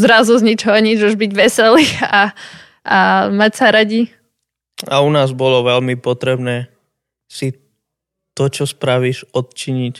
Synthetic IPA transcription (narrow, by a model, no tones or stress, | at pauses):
zɾazuzɲit͡ʃɔɦɔɲid͡ʒuʒbiɟʋɛsɛlia | amacsaɾaɟi | a̰unaːzbɔlɔʋɛlmipɔt̪ɾɛbnɛː | si | t̪ɔt͡ʃɔspɾaʋiːʃɔt̪̚t͡ʃiɲic